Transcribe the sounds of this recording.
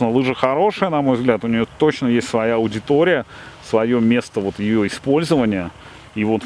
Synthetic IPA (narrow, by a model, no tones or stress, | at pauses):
nəlˠɨʐəxɐɾo̞ʂɨjənɐmo̞jvzɡlʲat̪ʊnʲɪjot̪ot͡ɕnəjesʲtʲsvɐjaɐʊdʲɪt̪o̞ɾʲɪjə | svɐjo̞mʲe̞st̪əvo̞t̪jɪjo̞ɪspo̞lʲzəvənʲɪjə | ivo̞t̪